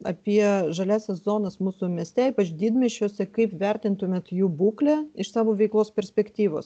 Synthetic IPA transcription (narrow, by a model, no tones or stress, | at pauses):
ɐ̰pʲiɛʒɐlʲæːsʲɛszoːnɐsmuːsʊmʲɛsʲt̪ʲɛiːpɐt͡ʃd̪ʲiːd̪ʲmʲɛʃʲt͡ʃʲoːsʲɛkɐɪpʋʲɛɾʲt̪ʲɪnt̪ʊmʲeːt̪juːbuːklʲæɪʃsɑːʋoːʋʲɛɪklˠoːspʲɛɾʲsʲpʲɛkt̪ʲiːʋo̰ːs